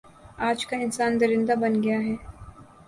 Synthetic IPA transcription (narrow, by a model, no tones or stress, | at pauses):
aːd͡ʒkaɪnsaːnd̪ɐɾɪ̃nd̪abɐnɡɐjaɦɛː